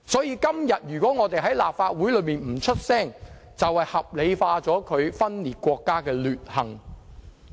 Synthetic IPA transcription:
sɔː˨˥jiː˨˧kɐ˥mjɐ˨t̚jyː˨˩kwɔː˨˥ŋɔː˨˧t̪e˨jɦɐ˨˥jlaː˨p̚faː˧t̚wuː˨˥jlɵ˨˧˥miː˨nm̩˨˩t͡ʃʰɵ˥t̚sɛː˥˩ŋ | t͡sɐ˨whɐ˨jhɐ˨p̚le˨˧jfaː˧t͡sɔː˨˥kʰɵ˨˧ɥfɐ˥nliː˨˩t̚kʷɔː˧kːaː˥kɛː˧lyː˨t̚hɐ˨˩ŋ

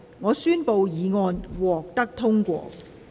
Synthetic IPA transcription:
ŋɔː˨˧syː˥npo˨˧wjiː˨˧ŋɔː˧nwɔː˨k̚t̪ɐ˥k̚t̪ʰʊ˥ŋkʷɔ̰ː˧k̚

